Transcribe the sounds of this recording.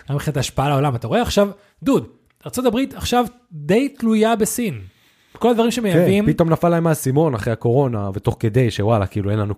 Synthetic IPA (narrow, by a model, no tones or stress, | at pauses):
ɡamiχinataːʃpaalao̞lamat̪aʁo̞e̞aχʃav | d̪ud̪ | aʁt͡so̞tabʁit̪aχʃav | d̪e̞jtlujabe̞sin | ko̞lad̪vaʁimʃemejavimpito̞mnafalːaemasimo̞naχʁehako̞ʁo̞navet̪o̞χke̞d̪e̞jʃewala̰kiiːlue̞nlanu